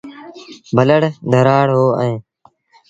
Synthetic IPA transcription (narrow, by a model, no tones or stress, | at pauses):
bʱələɽd̪ʱəɾaːɽɦoːẽː